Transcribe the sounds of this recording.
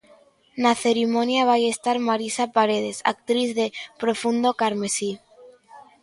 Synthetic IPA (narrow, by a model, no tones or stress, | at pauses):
naθe̞ɾimõ̞njaβajest̪aɾmaɾisapaɾe̞ð̞e̞sa̰k̚t̪ɾiθðe̞pɾo̞fund̪o̞kaɾme̞si